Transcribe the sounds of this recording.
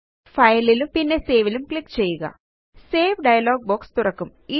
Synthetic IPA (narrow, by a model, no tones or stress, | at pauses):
pʰɐjɐlilupinːeseːʋilɐmklikːt͡ʃɛːjɐɡa̰ː | seːpɖɐjɐlaːɡ̚boːkst̪uɾɐkɐm | i